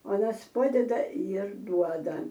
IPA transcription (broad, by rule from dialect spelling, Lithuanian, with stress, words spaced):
ˈuɔnɐs ˈpɑːdʲɛdɐ ɪr ˈduɔdɐ